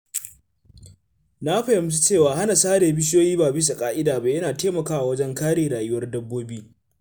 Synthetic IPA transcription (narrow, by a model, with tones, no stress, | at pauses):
na˦ɸɐ˨jɪ˨m˦t͡ʃi̥˦t͡ʃeː˦˨waː˨ha˦na˨saː˦ɾeː˨bɪ˦ʃ̬joː˦jiː˦baː˨bɪ˦s̬a˨kʼaː˦ʔɪ˦daː˨ba˨jɐ˦naː˨teː˦mɐ˨kaː˦wa˨wɐ˦d͡ʒɛ˦ŋkaː˦ɽeː˨ɽaː˨jʊ˦wɐ˦rdɐ˦bːoː˦biː˦